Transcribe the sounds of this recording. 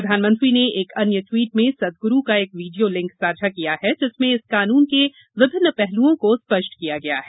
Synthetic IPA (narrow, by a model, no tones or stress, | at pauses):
ɾd̪ʱaːnmɐ̃nt̪ɾineeːkɐnjəʈwiːʈmẽsɐd̪̚ɡʊɾukaeːkʋiːɖijolɪ̃ŋksaːd͡ʒʱakijaɦɛd͡ʒɪsmẽɪskaːnuːnke | ʋɪbʱɪnːəpɛɦluõkospɐʃʈkijaɡɐja̰ɦɛ